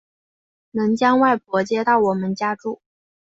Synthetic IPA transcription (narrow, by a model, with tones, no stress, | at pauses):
nɤ˧˥ŋt͡ɕjɑ˥ŋwa˥˩ɪpwɔ˧˥t͡ɕjɛ˥t̪ɑ˥˩ʊwɔ˨˩mə˦nt͡ɕja˥ʈ͡ʂu˥˩